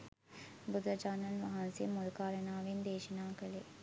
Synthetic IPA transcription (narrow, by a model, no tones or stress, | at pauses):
bud̪ɐd͡ʒaːnɐnʋɐɦansijəmulkaːɾənaːʋind̪eːʃənaːkəle